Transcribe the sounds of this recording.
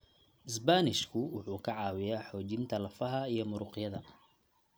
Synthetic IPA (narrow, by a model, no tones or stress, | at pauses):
ʔɪsbanɪʃkʰʊwʊħuːkʰɐʕɑːwɪjaːħɔːt͡ʃɪnt̪ʰɐlɐfɐɦɐijɞmʊɾʊqjɐðɐ